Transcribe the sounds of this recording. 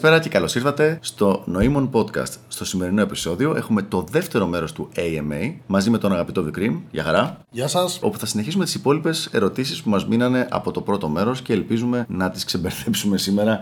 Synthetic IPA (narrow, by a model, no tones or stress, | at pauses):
peɾɐce̞kɐlo̞siɾθɐt̪e̞st̪o̞no̞imo̞npo̞t̪kɐ̰st̪st̪o̞sime̞ɾino̞e̞pi̥so̞ðio̞ʔe̞xume̞t̪o̞ðe̞ft̪e̞ɾo̞me̞ɾo̞st̪ueiemejmɐzime̞t̪o̞nɐɣɐpit̪o̞vikɾimʝɐ̰xɐɾɐ | ʝɐsɐso̞̰puθɐsineçisumet̪isipo̞lipe̞se̞̰ɾo̞t̪isispumɐzminɐne̞ʔɐ̰po̞t̪o̞pɾo̞t̪o̞me̞ɾo̞sceːlpizume̞nɐt̪isksebeɾθe̞psume̞sime̞ɾɐ